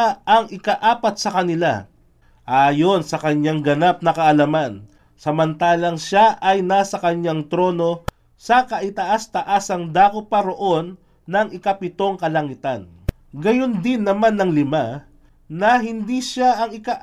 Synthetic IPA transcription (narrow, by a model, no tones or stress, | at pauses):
ʔɐŋɪkɐʔaːpɐt̪̚sɐkɐnɪla̰ | ʔaːjo̞nsɐkɐɲːaŋɡɐnap̚nɐkɐʔɐlɐman | sɐmɐnt̪aːlɐŋʃaʔɐjnasɐkɐɲaŋt̪ɾo̞ːno̞ | sɐkɐʔɪt̪ɐʔast̪ɐʔasɐŋd̪aːkopɐɾo̞ʔo̞nː | ɐŋɪkapɪt̪o̞ŋkɐlɐŋɪt̪an | ɡɐjo̞nd̪ɪnːɐmanːɐŋlɪma | nɐɦɪnd̪iʃaʔɐŋɪkaʔ